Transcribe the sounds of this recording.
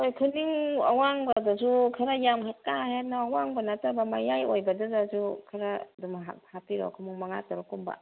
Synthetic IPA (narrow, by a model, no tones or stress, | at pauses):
ojkʰɯniŋa̰waŋbadazukʰaɾajamɦakːahet̚nɔawaŋbɐnatabamajajojbɐdazazukʰaɾadumɦa̰k̚hapiɾɔ̰kʰɯmuŋmaŋatɔɾɔkumba̰